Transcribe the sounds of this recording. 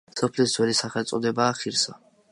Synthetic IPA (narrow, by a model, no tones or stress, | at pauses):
sɔpʰlisd̪z̥wɛlisaχɛlt̪sʼɔd̪ɛbaːχiɾsa